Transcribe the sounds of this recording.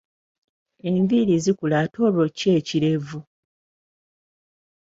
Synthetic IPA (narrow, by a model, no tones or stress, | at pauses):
e̞ɱviɾizikulato̞ːβoce̞ːciɾe̞vu